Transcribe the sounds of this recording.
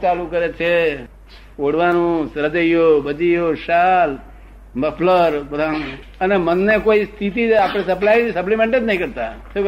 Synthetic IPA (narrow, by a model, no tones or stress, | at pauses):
t͡ʃalũkəɾet͡ʃʰe | oɽʋanũsɾəd͡ʒ̪əjjobəd͡ʒijoʃal | məpʰləɾpəd̪a | ənemənːekoist̪ʰit̪iapɽ̃esəp̬lajnisəp̬limẽɳʈed̪nəɦĩkəɾt̪as